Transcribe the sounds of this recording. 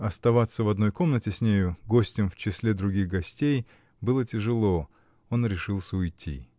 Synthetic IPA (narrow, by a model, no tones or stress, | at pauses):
ɐst̪ɐvat̪sːəvɐd̪no̞jko̞mnətʲɪsʲnʲejʊɡo̞sʲtʲɪmft͡ɕɪsʲlʲed̪ɾʊɡʲixɡɐsʲtʲej | bɨlˠətʲɪʐɨlˠo̞ | o̞nɾʲɪʂɨlˠsʲəʊjtʲʰːḭ